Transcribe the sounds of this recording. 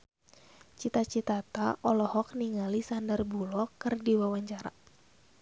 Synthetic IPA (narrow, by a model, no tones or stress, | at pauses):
t͡ʃit̪at͡ʃit̪at̪aʔɔlɔhɔk̚niŋalisandərbulɔkɨrdiwawaɲt͡ʃaɾa